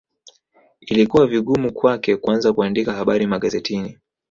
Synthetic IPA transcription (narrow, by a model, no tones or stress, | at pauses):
ilikuwaviɠumukwakɛkuanzakuandikahaɓaɾimaɠazɛtʰini